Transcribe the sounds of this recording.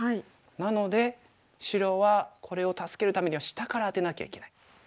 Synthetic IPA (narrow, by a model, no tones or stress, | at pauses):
hai | nano̞d̪e̞ | ɕiɾo̞βakʰo̞ɾe̞o̞t̪asɨ̥ke̞ɾɯ̟t̪ame̞ɲ̟iβaɕi̥t̪akaɾaːt̪e̞nakʲa̰ikʲe̞nai